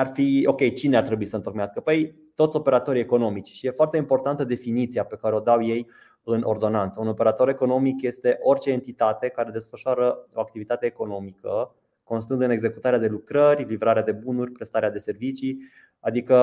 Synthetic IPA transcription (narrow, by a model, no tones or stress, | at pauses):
arfio̞kʲe̞jt͡ʃineart̪ɾebuisəɨnt̪o̞kmeaskəpəj | t̪ot̪sʲo̞pe̞ɾat̪o̞ɾie̞ko̞no̞mit͡ʃʲʃije̞foart̪eimpo̞rt̪ant̪əd̪e̞finit̪sijape̞kaɾeo̞d̪awje̞j | ɨnʔo̞̰rd̪o̞nant̪səuno̞pe̞ɾat̪o̞ɾe̞ko̞no̞mikje̞st̪e̞ʔo̞rt͡ʃe̞ːnt̪it̪at̪e̞kaɾe̞d̪e̞sfəʃoaɾəoak̚t̪ivit̪at̪e̞ːko̞no̞mikə | ko̞ns̬t̪ɨnd̪ɨne̞ɡze̞kut̪aɾead̪e̞lukɾərʲlivɾaɾead̪e̞bunurʲpɾe̞st̪aɾead̪e̞se̞rvit͡ʃi | ad̪ikə